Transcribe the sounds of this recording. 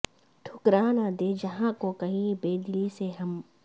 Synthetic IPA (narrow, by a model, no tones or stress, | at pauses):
ʈʰʊkɾaːnad̪eːd͡ʒɐɦãkokɐɦĩbeːd̪ɪliseɦɐm